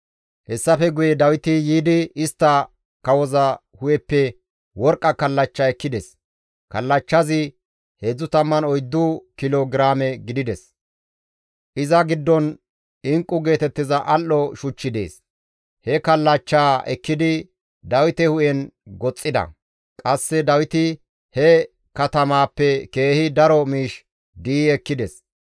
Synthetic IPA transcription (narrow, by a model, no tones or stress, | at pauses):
hɛsːɐfɛɡʊjɛd̪ɐwɪt̪ɪjiːd̪ɪɪst̪ːɐ | kɐwɔzɐ | hʊjɛpːɛ | wɔɾkʼːɐkɐlːɐt͡ʃːaɛkːɪd̪ɛs | kɐlːɐt͡ʃːɐzɪ | heːd͡zːʊt̪ɐmːɐnɔjd̪ːukɪloɡɪɾaːmɛɡɪd̪ɪd̪ɛs | ʔɪzɐɡɪd̪ːɔn | ɪŋkʼːʊɡe̞ːt̪ɛt̪ːɪzɐʔɐlːɔʃʊt͡ʃːɪd̪e̞̰ːs | hɛkɐlːɐt͡ʃːaːɛkːɪd̪ɪ | d̪ɐwɪt̪ɛhʊʔɛnɡɔt͡sʼːɪd̪ɐ̰ | kʼɐsːɛd̪ɐwɪt̪ɪ | hɛ | kɐt̪ɐmaːpːɛke̞ːhɪd̪ɐɾɔmiːʃ | d̪iːɛkːɪd̪ɛs